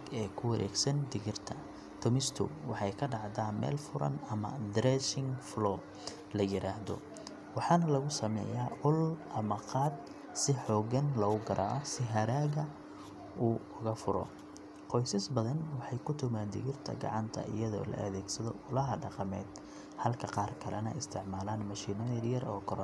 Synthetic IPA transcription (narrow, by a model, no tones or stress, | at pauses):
ɛːkʰʊwɐɾʔɛ̰ːɡsɐnd̪ɪɣɪrt̪ʰɐ | t̪ʰʊmɪst̪ʰʊ̰wɑħɑjkʰɐɖɑʕd̪aːnmɛ̰ːlfʊɾɐ̰nɐmɐ̰d̪ɾɛʃɪŋflɔː | lɐjɪɾaːhðɔ̰ | wɑħɑːnɐlɐɣʊsɐmɛ̰ːjaːʔʊlʔɐmɐqʰɑːd̪ | sɪħɔːɣɐnlɐʊɡɐɾʔaːʔɔsɪɦɐɾaːɣɐ | uːʊɣɐfʊɾɔ̰ | qɔjsɐsbɐðɐnwɑħɑjkʰʊt̪ʰʊmaːnd̪ɪ̰ɣɪrt̪ʰɐ̰ɡɑ̰ʕɑnt̪ʰɐ̰ʔɪ̰jɐðɔ̰ːlɐ̰ʔɐðɛːɡsɐðɔ̰ʊlɐɦɐɖɑqɑmɛ̰ːd̪ | hɐlkʰɐqɑːrkʰɐlɛnɐ̰ɪst̪ʰɪʕmaːlaːnmɐʃiːnɐɾjɐrɔːkʰɔɾ